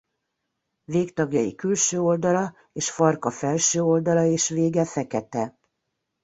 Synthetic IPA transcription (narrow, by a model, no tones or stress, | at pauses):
veːkt̪ɒɡjɒjḭkylʃøːo̞ld̪ɒlɒ | eːʃfɒrkɒfɛlʃøːo̞ld̪ɒlɒeːʃveːɡɛfɛkɛt̪ɛ